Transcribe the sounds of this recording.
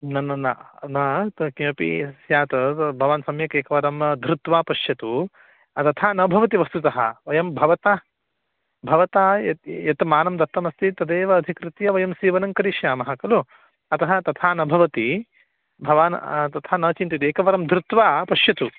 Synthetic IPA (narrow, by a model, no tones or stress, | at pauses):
nɐnːɐnɐnɐt̪kɐ̃ːpḭsjaːt̪ɐbʱɐʋaːnsɐmjɐkeːkɐʋɐɾɐmd̪ʱɾut̪ʋaːpɐʃjɐt̪u | ɐt̪ɐt̪ʰaːnɐbʱɐʋɐt̪̬iʋɐst̪ut̪ɐɦɐ̰ʋɐjɐmbʱɐʋɐt̪aː | bʱɐʋɐt̪aːɐjɐt̪maːnɐmd̪ɐt̪ːɐmɐst̪it̪ɐd̪eːʋɐːd̪ʱikɾɪt̪jɐʋɐjɐmsiːʋɐnɐŋkɐɾiʃjaːmɐɦɐkɐlu | ɐt̪ɐɦɐ̆t̪ɐt̪ʰaːnɐbʱɐʋɐt̪i | bʱɐʋaːnt̪ɐt̪ʰaːnɐːt͡ʃint̪it̪eːkɐʋɐɾɐmd̪ʱɾut̪ʋaːpɐʃjɐt̪u